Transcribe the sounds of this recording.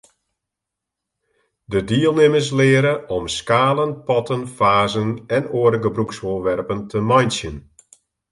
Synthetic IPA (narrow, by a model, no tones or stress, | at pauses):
dədiəlˠnɪmərs̬lɪːɾəʔɔmskaːlˠənpɔtənfaːzənɛnoːəɾəɡəbruksoərʋɛrpəntʰəmɔjnsjən